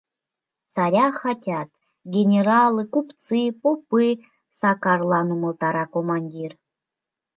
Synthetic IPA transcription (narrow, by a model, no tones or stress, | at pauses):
sɑɾʲɑxɑtʲɑt̪ | ɡʲenʲeɾɑlˠɨkupt͡sɨpopːɨ | sɑkɑrlˠɑnumə̆lˠt̪ɑɾɑkomɑnʲdʲir